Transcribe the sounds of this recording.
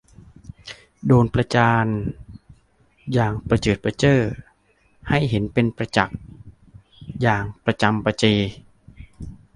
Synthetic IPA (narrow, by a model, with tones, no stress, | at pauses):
doː˧npɾa˧t͡ɕaː˧n | jaː˨˩ŋpɾa˧t͡ɕɤː˨˩t̪̚pa˧t͡ɕɤː˥˩ | ha˥˩jɦe˩˦npe˧npɾa˧t͡ɕa˨˩k̚ | jaː˨˩ŋpɾa˧t͡ɕa˧mpa˧t͡ɕeː˧